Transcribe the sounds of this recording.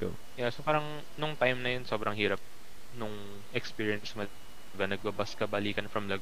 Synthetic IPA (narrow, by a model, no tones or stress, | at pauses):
t̪o̰ | jɛsopaːɾɐŋ | nʊŋt̪ajmnɐjonso̞ːbɾɐŋhiːɾɐp̚ | nʊŋ | ʔɛkspiːɹɪɛnsmɐ | vɐnɐɡ̚bɐbɐskɐbɐliːkɐnfɾɐmlɐɡ